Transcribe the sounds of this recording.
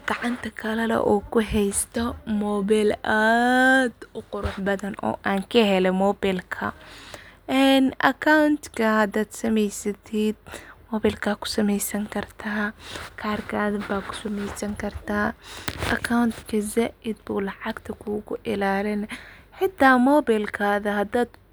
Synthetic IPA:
ɡ̥ɑʕɑnt̪ʰɐkʰɐlɐlɛ̰ʔɔːkʰʊɦɛjst̪ʰɔmɔːbɛla | d̪ʊqʊɾʊħbɐðɐnɔ̰ːʔaːŋkʰɐɦɛlɛmɔːbɛlkʰɐ̰ | ɛnɐ̰kʰawnt̪kʰɐhɐd̪aːd̪sɐmɛjsɐt̪ʰiːd̪̥̚mɔːbɛːlkʰaːkʰʊ̥sɐmɛjsɐŋkʰɐrt̪ʰaːkʰaːrkʰaːðɐbaːkʰʊ̥sɐmɛjsɐŋkʰɐrt̪ʰaːʔɐkʰawnt̪kʰɐzɛʔɪd̪buːlɑʕɑɡt̪ʰɐkʰuːɣʊʔɪlaːlɪnɐħɪt̪ʰːaːmɔːbɛlkʰaːðɐɦɐd̪aːd̪

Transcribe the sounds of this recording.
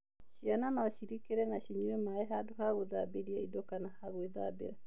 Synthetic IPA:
ʃiananaɔʃiɾikeɾɛnaɕiɲuɛmaɛɦadoɦaɣoðabeɾiaidɔkanahaɣweða̰bḛɾa

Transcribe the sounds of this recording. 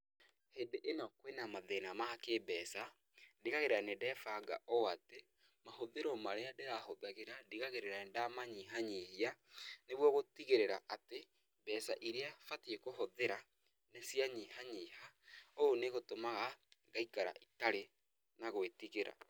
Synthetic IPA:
hendeʔenɔkwenamaðenamaakebɛːsa | diɣaɣeɾeɾanedɛːfaɡa̰ʔooate | mahoðeɾɔmaɾeadeɣahoðaɣeɾadiɣaɣeɾeɾaɛndamaɲiɦaɲihianeβwɔɣotiɣeɾeɾa̰ʔate | bɛsaʔiɾeafatiekoɦoðeɾa | nesiaɲiːhaɲihaoːneɣotomaɣaɡaikaɾa̰ʔitaɾe | naɣoetiɣeɾa̰

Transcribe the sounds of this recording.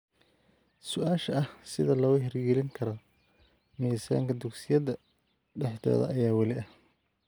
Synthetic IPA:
sʊʔaːʃɐɐhsɪðɐlɔːɣʊɦɛrɡɛlɪŋkʰɐɾɔ | miːsa̰ːŋkʰɐd̪ʊksɪjɐðɐ | ɖɛħd̪ɔ̰ːðɐ̰ʔɐjaːwɛlɪʔɐh

